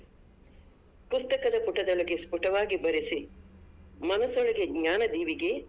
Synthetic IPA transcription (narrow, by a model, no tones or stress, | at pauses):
pust̪ɐkɐd̪ɐpuʈːɐd̪ɐɭɐɡespuʈɐʋaːɡibɐɾisi | mɐnɐsːɔɭɐɡeɡɲaːnɐd̪iːʋiɡe̞